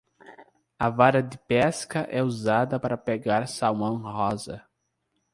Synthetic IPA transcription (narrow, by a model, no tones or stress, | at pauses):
ɐvaɾɐd̪ɪpɛskɐʔɛuzad̪ɐpaɾɐpeɡaɾsawmɐ̃w̃hɔzɐ̰